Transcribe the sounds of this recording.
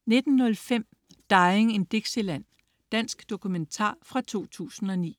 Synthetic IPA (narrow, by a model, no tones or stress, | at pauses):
ne̝d̥n̩ːɔ̽lfem̰ | d̥ɑ̈ɪeŋe̝nd̥eɡ̥selæn̰ | d̥æn̰sɡ̥d̥o̝kʰument͡sʰɑ̰̈ːfʁɑ̈t͡sʰo̝̰ːt͡sʰṵːsn̩ɒ̽nḭː